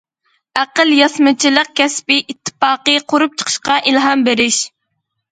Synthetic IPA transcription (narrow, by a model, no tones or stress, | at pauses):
æqəlˠjɑsmɨt͡ʃʰilˠəq̚kʲʰɛspɪʔit̪ʰːɨ̥fɑːqəqʰoɾup̚t͡ʃʰə̥qʰə̥ʃqɑʔilɦɑmbeɾɪʃ